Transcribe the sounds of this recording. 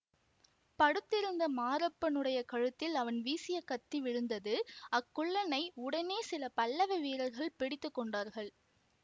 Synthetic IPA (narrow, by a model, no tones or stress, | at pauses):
pɐɽɯt̪ːɪɾɯnd̪ɐmaːɾɐpːɐnɯɽɐjɐkɐɻɯt̪ːɪlɐʋɐnʋiːsɪjɐkɐt̪ːiʋɪɻɯnd̪ɐðɯɐkːʊɭːɐnɐɪʊɽɐneːsɪlɐpɐlːɐʋɐʋiːɾɐɾɣɐɭpɪɽɪt̪ːɯkːɔɳɖaːɾɣɐɭ